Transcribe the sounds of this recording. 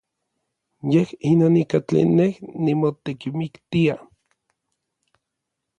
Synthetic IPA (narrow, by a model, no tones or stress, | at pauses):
jehinoːnikat͡ɬḛnːehnimot̪ekimikt̪ia